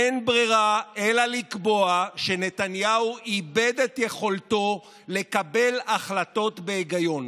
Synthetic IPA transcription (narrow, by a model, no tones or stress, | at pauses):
enbʁiʁaelalikbo̞aʃene̞tanjauibedetje̞χo̞lto̞ | le̞kabe̞laχlato̞tbe̞ːɡajo̞n